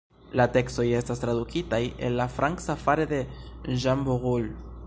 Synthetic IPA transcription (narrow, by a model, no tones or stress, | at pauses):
late̞ksto̞je̞stastɾad̪ukʰitaje̞̰nlafɾaŋksafaɾe̞de̞ʒamboʁul